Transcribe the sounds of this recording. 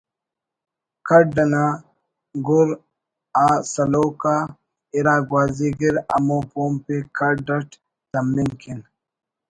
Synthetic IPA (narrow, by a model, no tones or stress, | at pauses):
kʰɐɖɐna | ɡuɾ | aːsɐloːka | iɾaːɡwaːziɡiɾɐ̰mopoːmpekʰɐɖɐʈ | t̪ɐmːinkʰin